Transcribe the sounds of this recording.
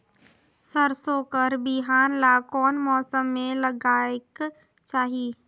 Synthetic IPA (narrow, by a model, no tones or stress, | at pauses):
səɾsoːkəɾbiɦaːnlakɔːnmɔːsəmːẽləɡaːek | t͡ʃaːɦi